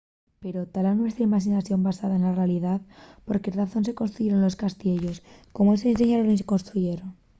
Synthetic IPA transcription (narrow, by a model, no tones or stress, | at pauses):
pe̞ɾo̞t̪alanwe̞st̪ɾaimaxinaθjo̞mbasaðaenlarealiðaðpo̞ɾkeraθo̞ns̬e̞ko̞nst̪ɾuʝeɾonlo̞skast̪je̞ʝo̞sko̞moesens̬eɲaðonis̬eko̞nst̪ɾuʝe̞ɾon